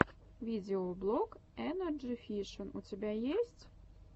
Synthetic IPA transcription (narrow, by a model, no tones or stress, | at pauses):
vʲidʲɪoblˠok | ɛnərd͡ʒifʲiʂənutʲɪbʲajesʲtʲ